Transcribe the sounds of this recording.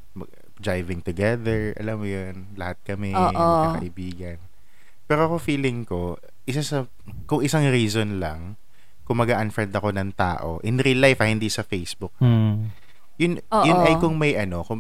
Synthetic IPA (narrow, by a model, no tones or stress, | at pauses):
mɐ | d̪ɹajvɪ̃ŋt̪ʊɡɛðɛɹʔɐ̰lamːʊjonlɐhat̪̚kɐmɛːʔokɐ̰ʔɪbiːɡɐn | pɛːɾoɐkofiːlɪŋko̞ | ʔɪs̬asɐ | kʊŋʔɪsaŋɾiːzonlɐŋ | kʊmːɐɡaʔɐnfɛnd̪ɐko̞nɐŋt̪a̰ːʔo̞̰ʔɪnɾilajfɐhɪnd̪isɐfejsbʊk̚na | jʊnːjʊnɐjkʊŋmɐjʔɐno̞kʊ